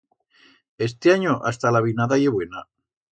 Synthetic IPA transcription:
e̞st̪eaɲoʔast̪alaβinaðajeβwena

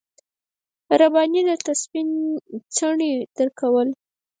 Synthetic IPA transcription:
ɾabɑnid̪ət̪aspint͡səɳid̪̥əɾkawəl

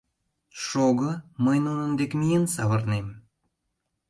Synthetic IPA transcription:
ʃoɣəməjnunənd̪ekmijensɑβərnem

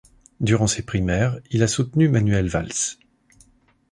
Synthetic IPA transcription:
d̪yʁɑ̃sepχimɛʁilasut̪nymanɥɛlvals

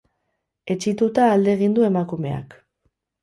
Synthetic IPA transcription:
e̞t͡ʃit̪ut̪aːld̪e̞ːɣ̞ind̪ue̞makume̞̰a̰k

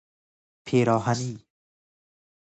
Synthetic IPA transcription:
pʰeɾɔɦani

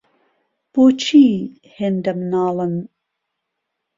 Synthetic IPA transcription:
b̥oːt͡ʃʰiː | hend̪ɐmnɑːlɨn

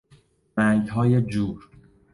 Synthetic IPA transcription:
mæŋɡɦɒːjed͡ʒuːɾ

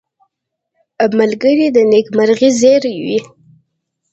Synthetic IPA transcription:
malɡəɾid̪ənekmaɾɣizeɾjwi

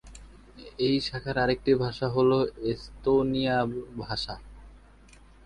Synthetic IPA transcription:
ejʃakʰaɾaɾek̚ʈibʱaʃaɦoloest̪onijabʱaʃa

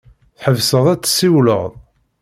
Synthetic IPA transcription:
θħəvsəðˤæt͡sːsːiwlə̰ʁðˤ

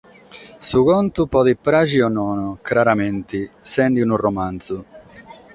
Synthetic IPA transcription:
sukɔnt̪upɔðipːɾad͡ʒiɔnːɔnkɾaɾamɛnt̪isɛnd̪inurɔmant̪su

